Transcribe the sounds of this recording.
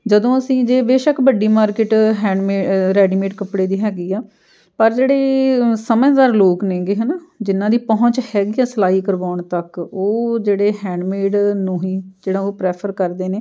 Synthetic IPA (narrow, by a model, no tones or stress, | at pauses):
d͡ʒəd̪õːəsĩːd͡ʒeːbeːʃəkbəɖiːmaːɾkɪʈɦɛ̃ːɖmeːɾɛːɖiːmeːʈkəpɽeːd̪iːɦɛːɡiːaː | pəɾd͡ʒeːɽeːsəmɛ̃ːd̪aːɾloːknẽːɡeːɦənaːd͡ʒɪnːãːd̪iːpɔɦʊɲt͡ʃhɛːɡiːaːsəlaːiːkəɾʋaːɳt̪əkoːd͡ʒeːɽeːɦɛ̃ːɳɖmeːɖnũːɦiːd͡ʒeːɽãːoːpɾɛːpʰəɾkəɾd̪eːneː